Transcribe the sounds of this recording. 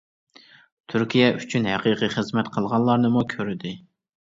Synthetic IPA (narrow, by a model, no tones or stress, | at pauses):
t̪ʰyɾkʲijɛʔyt͡ʃʰynhæqiqiχəzmɛt̪qʰəlˠʁɑnlˠɑɾnɨmukʲʰøɾɪd̪ɪ